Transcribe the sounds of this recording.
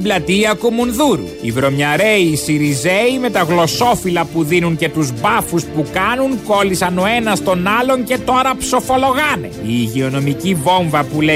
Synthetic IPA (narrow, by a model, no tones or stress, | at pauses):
iblɐt̪iɐkumunðuɾṵivɾo̞mɲɐɾeiːsiɾize̞ime̞t̪ɐɣlo̞so̞filɐpuðinuŋce̞t̪uzbɐfuspukɐnuŋko̞lisɐno̞e̞nɐst̪o̞nɐlo̞ŋce̞t̪oɾɐpso̞fo̞lo̞ɣɐne̞̰iːʝeo̞no̞micivo̞ɱvɐpule